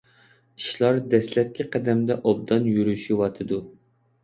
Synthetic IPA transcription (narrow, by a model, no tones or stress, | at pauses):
i̥ʃlˠɑɾd̪ɛslɛt̪̚kʲiqʰæd̪ɛmd̪ɛʔob̚d̪ɑnjyɾyʃiwɑt̪ʰɨd̪u